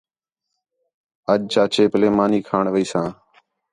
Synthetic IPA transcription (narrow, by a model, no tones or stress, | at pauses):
əʄt͡ʃaːt͡ʃeːpleːmaːniːkʰaːɳʋəiːsãː